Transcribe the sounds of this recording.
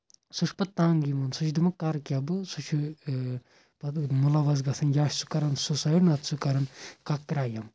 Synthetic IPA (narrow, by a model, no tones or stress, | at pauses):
suʃʰpɐt̪ːaːŋɡimɐnsut͡ʃʰd̪imɐkɐɾkʲjabɨsut͡ʃʰu | pɐt̪mulaʋɐzɡɐsʰɐnjaːʃsu̥kɐɾɐnsusajiɽnɐt̪ʰsukɐɾɐnkɐkːɾaːjɐm